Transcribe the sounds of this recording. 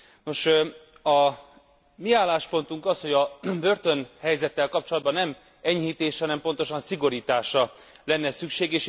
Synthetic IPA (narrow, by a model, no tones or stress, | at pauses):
no̞ʃ | ɒ | miaːlːaːʃpo̞n̪t̪uŋkɒsho̞ɟɒbø̞rt̪o̞nhɛjzɛt̪ːɛlkɒp̚t͡ʃo̞lɒd̪bɒnːɛm | ɛɲhiːt̪eːʃɒnɛmpo̞nt̪o̞ʃɒnsiɡo̞ɾiːt̪aːʃɒlɛnːɛsykʃeːɡeːʃ